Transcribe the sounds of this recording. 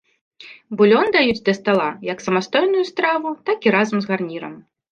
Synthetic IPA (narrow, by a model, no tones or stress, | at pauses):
bulʲɔnd̪ajud͡zʲd̪ʲɐst̪alˠajɐksɐmast̪ɔjn̪ujust̪ɾavut̪akiɾazɐmzɣarnʲiɾɐ̰m